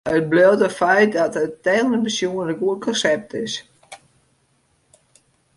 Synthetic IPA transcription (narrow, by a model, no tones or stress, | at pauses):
ət̚blewtəfɛjt̚dɔtətɛnəbəsjuənəɡuənkʰɔnsɛp̚tɪs